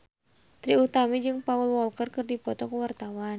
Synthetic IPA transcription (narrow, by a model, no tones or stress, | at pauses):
t̪ɾiut̪amid͡ʒɨŋpaulwɔlkərkɨrdipɔt̪ɔkuwart̪awan